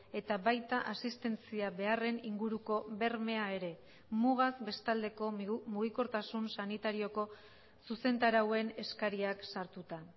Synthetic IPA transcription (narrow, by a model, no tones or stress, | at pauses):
e̞t̪aβajt̪aʔasist̪e̞nt͡siaβe̞are̞niŋɡuɾuko̞βe̞rme̞ae̞ɾe̞ | muɣ̞azbe̞st̪ald̪e̞ko̞muɣiko̞ɾt̪asunsanit̪aɾio̞ko̞ | suse̞nt̪aɾawe̞ne̞skaɾiaksaɾt̪ut̪a